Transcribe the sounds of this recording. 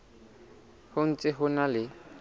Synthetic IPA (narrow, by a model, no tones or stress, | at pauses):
hʊn̩t͡sʼɪɦʊnalɪ